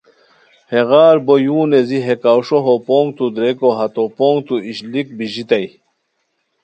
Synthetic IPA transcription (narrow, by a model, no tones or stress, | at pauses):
heɣaːɾbojuːneziɦekawʂoɦopoːŋɡt̪ud̪ɾekoɦɐt̪opoːŋɡt̪uiɕlik̚biʑit̪ɐj